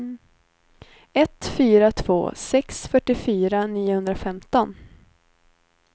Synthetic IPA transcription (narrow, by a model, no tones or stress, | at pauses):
ɛt̪fyːɾat̪ʰv̥o̰ːsɛksfœʈːɪfyːɾaniːʊhɵnd̪ɾafɛmt̪ɔn